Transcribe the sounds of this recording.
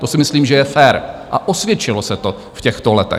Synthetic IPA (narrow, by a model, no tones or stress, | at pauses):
t̪o̞sɪmɪsliːmʒɛjɛfɛːɾʔa̰ʔosvjɛt͡ʃɪlosɛt̪o | fcɛxt̪olɛt̪ɛ̰